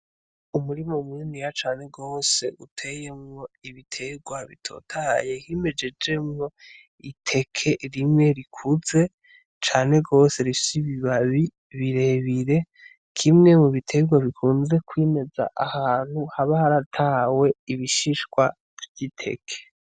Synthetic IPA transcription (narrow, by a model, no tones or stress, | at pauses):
umuɾimominijat͡ʃaːne̞ɡo̞ːse̞ʔutʰe̞je̞mŋo̞iβitʰe̞ɡwaβitʰo̞̰tʰaje̞hime̞d͡ʒe̞d͡ʒe̞mŋo̞ | itʰe̞kʰe̞ɾimŋe̞ɾikʰuze̞ | t͡ʃaːne̞ɡo̞ːse̞ɾifsiβiβaβi | βiɾe̞βiɾe̞ | kʰimŋe̞muβitʰe̞ɡwaβikʰuːnze̞kwime̞za̰ʔahaːn̥huhaβahaɾatʰaːwe̞iβiʃiʃɡwa | vɟitʰe̞̰kʰe̥